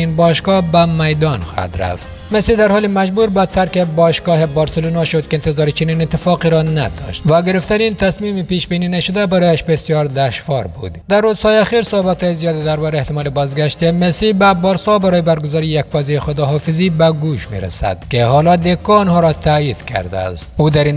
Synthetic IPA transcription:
inbɔʃɡɔhbamajd̪ɔnxɔ̰ha̰d̪ɾa̰ft̪ | mesid̪aɾhɔːlemad͡ʒbuɾbat̪ʰaɾkebɔʃɡɒɦebɒɾselunɔʃod̪keːnt̪ɪzɒːɾit͡ʃininɪt̪ːɪfɒqiɾɔna̰d̪ɔ̰ʃt̪vaɡɪɾɪft̪anint̪asmimipiʃbininaʃʊd̪abaɾɔjaʃbesjɒɾd̪aʃvɒɾbṵd̪d̪arːuz̥hɔjeaxiɾsohbat̪hɔːjezijɒːd̪id̪aɾbɒɾeht̪ɪmɔːlebɒzɡaʃt̪emesibabɒɾsɔbaɾɔːjebaɾɡʊzɔːɾijak̚fɔzejixod̪ɔɦɔfizibaɡuʃmḛɾa̰sa̰d̪̥kehɔlɒd̪ekɔːnhɔɾɔt̪ʰajid̪kʰa̰ɾd̪a̰ːst̪ud̪aɾin

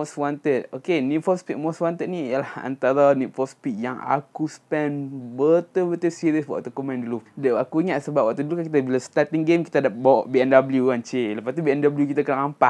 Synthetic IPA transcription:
oswant̪ət̪̚okenitfɔspit̪̚moswant̪ət̪̚niijəlaha̰nt̪aɾanit̪fɔspit̪̚jaŋa̰kusə̥pɛnbət̪əbət̪əsiɾiəsba̰ʔt̪ukumɛ̃nduludəakuiŋaʔsəbap̚wak̚t̪udulukakit̪abilast̪at̪iŋɡemkit̪adabawɔʔbiɛndabəljuant͡ʃeləpast̪ibiɛndabəljukit̪akənaŋampa

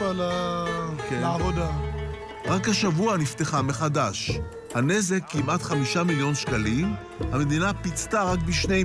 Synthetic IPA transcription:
ala | keavod̪a | ʁakhaʃavuanifteχame̞χadaʃ | hane̞ze̞kːimʔatχamiʃamiljo̞nʃkalim | hame̞d̪inapit͡staʁakbiʃne̞

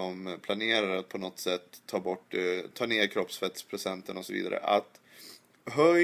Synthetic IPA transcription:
ɔmpʰlaneːɾaɾat̪̚pʰɔnɔt̪ːsɛt̪ʰːɑːbɔʈːt̪ʰɑːneːɾkʰɾɔpsfɛt̪spʰɾʊsɛnt̪ənɔsɔvḭːd̪a̰ɾə̰ʔa̰t̪ | ɦœ

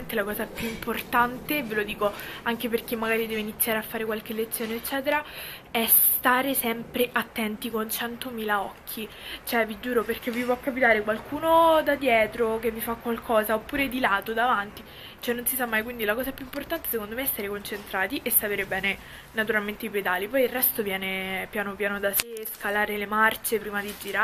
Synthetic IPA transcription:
ent̪elakɔːzapjuimport̪ant̪evelod̪iːkoaŋkeperk̟emːaɡaːɾid̪ɛːvoeinit̪sːjaːɾeafːaːɾekwalk̟elːet̪sːjoːneːt͡ʃːɛːt̪eɾaɛs | t̪aːɾesɛmpɾeʔat̪ːɛnt̪ikont͡ʃɛnt̪omiːlaɔkʰːit͡ʃoɛvid͡ʒuːɾoperk̟evːipwɔkːapit̪aːɾekwalkuːnod̪ad̪jɛːt̪ɾokevːifakːwalkʰɔːzaopːuːɾed̪ilaːt̪od̪avant̪i | t͡ʃoɛnːonsisamːajkwind̪ilakɔːzaɛpjuimport̪ant̪esekond̪omeɛstːaɾekont͡ʃent̪ɾaːt̪iʔesːapeːɾebɛːne | nat̪̬uɾalment̪eiped̪aːlːipɔjilrːɛst̪ovjɛːnepjaːnopjaːnod̪aseskalaːɾelemart͡ʃepɾiːmad̪id͡ʒiɾa

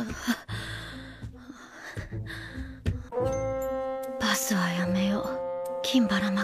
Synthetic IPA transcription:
b̥asɨβajamejokʲʰĩmbaɾana

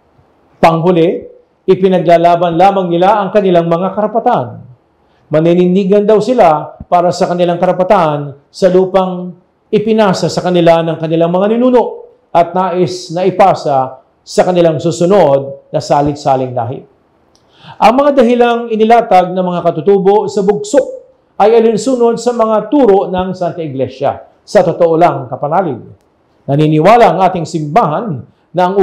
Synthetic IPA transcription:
pɐŋɦʊlɛ | ɪpɪnɐɡ̚laːlaːbɐnlaːmɐŋnɪlaʔɐŋkɐnɪlaŋmɐŋakɐɾɐpɐt̪an | mɐninɪniːɡɐnd̪ɐwsɪlapaːɾɐsɐkɐnɪlaŋkɐɾɐpɐt̪an | sɐluːpɐŋ | ɪpɪnaːsɐsɐkɐnɪlanɐŋkɐnɪlaŋmɐŋanɪnuːno̞ʔ | ʔɐt̪̚naːʔɪsnɐʔɪpaːsɐ | sɐkɐnɪlaŋsuːsʊno̞d̪̚nɐsaːlɪt̪saːlɪŋla̰ːɦɪ̰ | ʔɐŋmɐŋad̪ɐɦɪlaŋɪnɪlaːt̪ɐɡ̚nɐŋmɐŋakɐt̪ʊt̪uːbo̞ʔsɐbʊɡsoʔ | ɐjɐlɪnsuːno̞d̪̚sɐmɐŋat̪uːɾo̞ʔnɐŋsant̪ɐɪɡlɛʃɐ̰ | sɐt̪ot̪oʔolaŋkɐpɐnaːlɪd̪̚ | nɐniːnɪwaːlɐʔɐŋʔaːt̪ɪŋsɪmbaːɦɐnː | ɐɐŋ

